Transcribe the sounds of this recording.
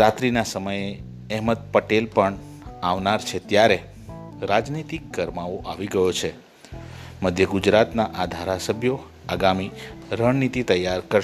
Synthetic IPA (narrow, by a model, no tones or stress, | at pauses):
ɾat̪ɾinasəməje | ɛɦməd̪̚pəʈelpəɳ | aʋnaɾt͡ʃʰet̪jaɾe | ɾad͡ʒnit̪ikːəɾmaoʔaʋiɡəjot͡ʃʰe | məd̪ʱjəɡud͡ʒɾat̪naʔad̪ʱaɾasəbʱjo | aɡamiɾəɳnit̪it̪əjːaɾkəɾ